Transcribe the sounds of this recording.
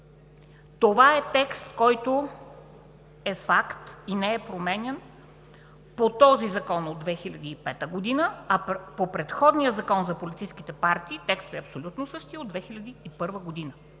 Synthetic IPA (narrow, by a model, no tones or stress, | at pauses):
t̪ovaɛt̪ɛkst̪kɔjt̪o | ɛfakt̪inɛɛpɾomɛnʲɛn | pot̪ɔzizɐkɔnod̪vɛxilʲɐd̪iːpɛt̪əɡod̪inəɐpopɾɛt̪xɔd̪nijəzɐkɔnzɐpolʲit̪sisk̟it̪ɛpaɾt̪iːt̪ɛkst̪ɛɐpsolʲut̪nosɤʃt̪iod̪vɛxilʲɐd̪iipɤɾvəɡod̪inə